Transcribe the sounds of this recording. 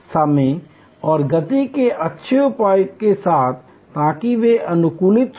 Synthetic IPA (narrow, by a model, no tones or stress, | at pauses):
sɐmẽ | ɔːɾɡɐt̪ikeʔɐtːʃʰeʊpaːjkesaːt̪ʰ | t̪aːkiʋeʔɐnʊkuːlɪt̪